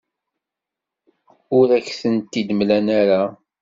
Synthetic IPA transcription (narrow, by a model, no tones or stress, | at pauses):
ʊɾæçθənt̪ːid̪əmlænaɾa